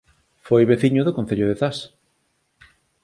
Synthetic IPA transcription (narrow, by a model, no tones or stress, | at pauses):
fojβeθiɲʊðokõn̟θeʎʊðeθas